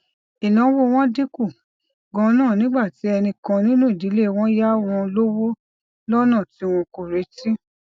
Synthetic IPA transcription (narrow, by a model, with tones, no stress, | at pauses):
i˨lã˨˦wo˦w̃ɔ̃˦di˦ku˦˨ | ɡɔ̃˨˧˦nãː˦˨nĩ˨˦ɡ͡ba˦˨ti˨˦ɛ˧nĩ˧kã˧nĩ˦nũ˦i˦˨di˨˦le˦˧w̃ɔ̃˦ja˦w̃ɔ̃˧lo˦wo˦ | lɔ˦nã˦˨ti˨˦w̃ɔ̃˧ko˨ɾe˨˦tĩ˦